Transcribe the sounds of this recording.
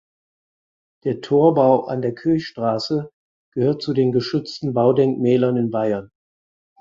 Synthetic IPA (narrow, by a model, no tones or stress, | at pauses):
d̥eːɐtʰoːɐbaʊʔa̰ndeːɐkʰøːçʃtʁ̥aːsə | ɡ̥əhøːɐt̚t͡sudeːnɡəʃʏt͡stn̩baʊdɛŋkmɛːlɐnɪnbaɪɐn